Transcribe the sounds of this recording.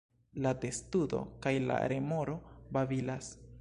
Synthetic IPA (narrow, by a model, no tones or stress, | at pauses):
lade̞studo̞̰kajla̰ɾe̞moɾo̞bavilas